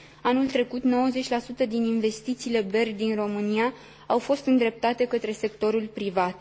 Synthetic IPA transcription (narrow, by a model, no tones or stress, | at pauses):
anult̪ɾe̞kut̪no̞wəze̞t͡ʃʲlasut̪əd̪ininve̞st̪it̪siːle̞be̞rd̪inro̞mɨnia | awfo̞st̪ɨnd̪ɾe̞p̚t̪at̪e̞kət̪ɾe̞se̞kt̪o̞ɾulpɾivat̪